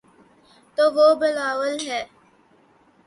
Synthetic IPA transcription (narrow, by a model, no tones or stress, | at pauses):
t̪oːʋobɪlaːwəlɦɛː